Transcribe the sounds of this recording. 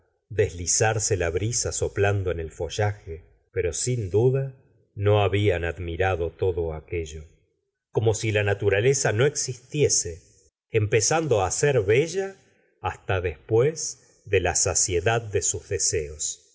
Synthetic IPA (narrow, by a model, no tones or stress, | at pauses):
d̪e̞zlisaɾselaβɾisaso̞pland̪oene̞lfo̞ʒaxe | peɾo̞sind̪uða | no̞aβianaðmiɾaðot̪o̞ðo̞akeʒo̞ | ko̞mo̞silanat̪uɾalesano̞eksist̪je̞seː | mpesand̪o̞aseɾβeʒaː | st̪aðespwez | d̪elasasjeðað̚ːesuzðeseos